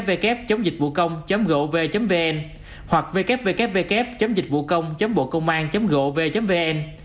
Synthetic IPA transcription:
p̚ve˧kɛ˦˥p̚t͡ɕə˨˦wŋ͡mzi̟˨˩vṵ˧˨kə˧wŋ͡mt͡ɕə˨˦mɣo̰˧˨ve˨˩t͡ɕə˨˦mve˧ʔɛ˧n | hwa˨˩k̚ve˧kɛ˦˥p̚ve˧kɛ˦˥p̚ve˧kɛ˦˥p̚t͡ɕə˨˦wŋ͡mzï˨˩k̟̚vṵ˧˨kə˧wŋ͡mt͡ɕə˨˦mɓo̰˧˨kə˧wŋ͡mʔaː˧nt͡ɕə˨˦mɣo̰˧˨ve˨˩t͡ɕə˨˦mve˧ʔɛ˧n

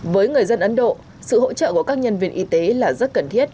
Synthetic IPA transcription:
vəː˨˦jŋɨ˨˩əjzə˧nʔə˨˦nɗo̰˧˨ | sɨ̰˧˨ho̰˧˥t͡ɕə̰ː˧˨ku˧˩əkaː˦˥k̚ɲə˧nvi˧ənʔi˨˧˦t̪e˨˦laː˨˩zə˦˥t̚kə˨˩nt̪ʰi˦˥ət̚

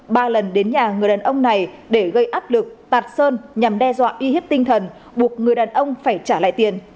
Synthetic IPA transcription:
ɓaː˧lə˨˩nɗe˨˦nɲaː˨˩ŋɨ˨˩əjɗaː˨˩nʔə˧wŋ͡mna˨˩jɗe˧˩ɣə˧jʔaː˦˥p̚lɨ˨˩k̚t̪aː˨˩t̚səː˧nɲa˨˩mɗɛ˧zwa̰ː˧˨ʔi˧hi˦˥p̚t̪ï˧ŋ̟t̪ʰə˨˩n | ɓu˨˩ək̚ŋɨ˨˩əjɗaː˨˩nʔə˧wŋ͡mfaː˧˩jt͡ɕaː˧˩la̰ː˧˨jt̪i˨˩ən

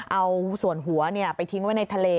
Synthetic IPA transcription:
ʔʔa˧wsu˨˩ənɦu˨˩˦ɐni˥˩ɐəpa˧jt̪ʰi˦˥ŋwaː˦˥˩jna˧jt̪ʰa˧leː˧

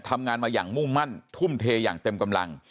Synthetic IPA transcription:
t̪ʰa˧mŋaː˧nmaː˧jaː˨˩ŋmu˥˩ŋma˥˩nt̪ʰu˥˩mt̪ʰeː˧ja̰ː˨˩ŋt̪e˧mka˧mla̰˧ŋ

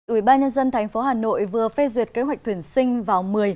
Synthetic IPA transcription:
ʔwi˧˩ɓaː˧nɲə˧nzə˧nt̪ʰɛ˨˩jŋ̟fo˨˦ɦaː˨˩no̰˧˨jvɨ˨˩əfɛ˧zwi˨˩ət̚ke˨˦ɦwa˨˩k̟̚t̪ʰwi˧˩ənsï˧ŋ̟vaː˨˩wmɨ˨˩əj

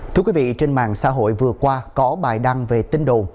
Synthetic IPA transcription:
t̪ɨ˧kwvḭ˧˨t͡ɕe˧nma̰ː˧˨ŋsa̰ː˧˥ɦo̰˧˨jvɨ˨˩əkwaː˧kɔ˨˦ɓaː˨˩jɗa˧ŋve˨˩t̪ï˧ŋɗo̰˨˩n

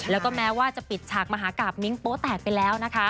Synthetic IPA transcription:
lɛː˦˥wkɔː˥˩mɛː˦˥waː˥˩t͡ɕa˨˩pi˨˩t̪̚t͡ɕʰaː˨˩k̚ma˧ɦaː˩˦kaː˨˩p̚mi˦˥ŋpoː˦˥t̪ɛː˨˩k̚pa˧jlɛː˦˥wna˦˥kʰa˦˥

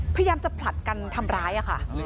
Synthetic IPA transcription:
jaː˧mt͡ɕa˨˩pʰla˨˩t̪̚ka˧nt̪ʰa˧mɾaː˦˥jʔa˨˩kʰa˥˩

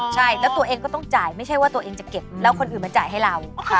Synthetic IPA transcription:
t͡ɕʰa˥˩jlɛ˦˥wt̪u˧ɐʔeː˧ŋkɔː˥˩t̪ɔ˥˩ŋt͡ɕaː˨˩jma˥˩jt͡ɕʰa˥˩jwaː˥˩t̪u˧ɐʔeː˧ŋt͡ɕa˨˩ke˨˩p̚lɛː˦˥wkʰo˧nʔɯː˨˩nma˧nt͡ɕa̰ː˨˩jɦa˥˩jɾa˧wʰ

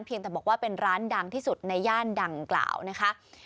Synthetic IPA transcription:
npʰi˧əŋt̪ɛː˨˩bɔː˨˩k̚waː˥˩pe˧nɾaː˦˥nda˧ŋt̪ʰiː˥˩su˨˩t̪̚na˧jːaː˥˩nda˧ŋkla̰ː˨˩wna˦˥kʰa˦˥ʔ

